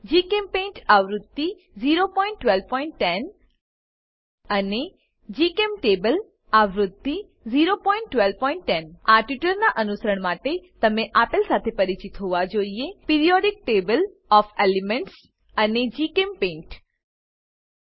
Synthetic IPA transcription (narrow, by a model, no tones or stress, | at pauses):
d͡ʒiːkempẽːɳʈaʋɾʊd̪ːi | ziːɾopɔ̃ːɪ̃ɳʈːʋɛlʋpɔ̃ɪ̃ɳʈːɛn | əne | d͡ʒiːkemʈeːbəl | aʋɾʊd̪ʱːi | ziːɾopɔ̃ɪ̃ɳʈʈːʋɛlʋpɔ̃ɪɳʈːɛnaʈiʈəɾnaʔənʊsəɾəɽ̃maːʈet̪əɐmẽʔaːpɪlsaːt̪ʰepɐɾit͡ʃɪt̪ɦoʋad͡ʒoːiepiɾijɔɖɪk̚ʈeːbəl | ɔːfelimẽɳʈs | əned͡ʒiːkempẽːɳʈ